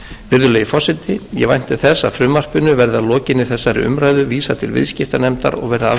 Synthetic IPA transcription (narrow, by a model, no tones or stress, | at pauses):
vɪɾðʏlɛːjifɔsɪt̪ɪjɛvajn̥t̪ɪθɛsːafɾʏːmar̥pʏnʏvɛɾðalɔːcɪnːɪ̥θɛsːaɾɪ̰ʏ̰mɾaːjðʏviːsat̪ʰɪlvɪ̰ðscɪft̪anɛmt̪a̰ɾɔ̰ɣvɛɾðaa